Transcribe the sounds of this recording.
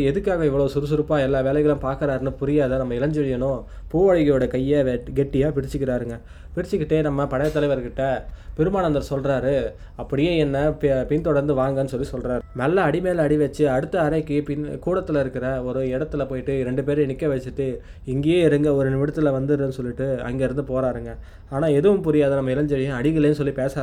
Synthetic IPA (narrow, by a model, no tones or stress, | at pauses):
ɛðɯkːaːɣɐɪʋːɐɭosʊɾɯsʊɾɯpːaːɛlːaːʋeːlɛɣɐɭɐ̃mpaːɾkɪɾaːɾɯnɯpʊɾɪjaːðɐnɐmːɐɪlɐɲd͡ʒʋɛɽɪjɐnʊ̃ | puːʋɐːɻɪɣɐjoːɽɐkɐjːɐʋɡɛʈːɪjaːpɪɽɪt͡ʃːɯkːɪɾaːɾɯŋɡɐ | pɪɾɪt͡ʃːɯkːɪʈːeːnɐmːɐpɐɽɐjɐt̪ːɐlɐɪʋɐɾɯkːɪʈːɐpɛɾɯmaːnɐnd̪ɐɾɐsɔlɾaːɾɯ | ɐpːɐɽɪjeːɛnːɐppɪnt̪ɔɽɐɾnd̪ɯʋaːŋɡɐnːɯsɔlːisɔlɾaːɾɯnɐlːɐːɽɪmeːlɐɐɽɪʋɛt͡ʃːɯɐɽɯt̪ːɐːɾɐɪkːɯpɪnkuːɽɐt̪ːɪlɪɾɯkːɪɾɐɔɾɯɪɽɐt̪ːɪlɐpoːjɪʈːɯɾɛɳɖɯp̬eːɾnɪkːɐʋɐt͡ʃːɯʈːɯ | ɪŋɡejeːɪɾɯŋɡɐɔɾɯnɪmɪɽɐt̪ːɪlɐʋɐnd̪ɯɾɯnːɯsɔlːɪʈːɯɐ̰ŋɡeːɪɾɯnd̪ɯpoːɾaːɾɯŋɡɐ | aːnaːɛðɯʋɯmpʊɾɪjaɐðɐnɐmːɐɪlɐɲd͡ʒɐɾɪjɐ̃ɐɽɪɣɪleːnɯsɔlːipeːsɐaː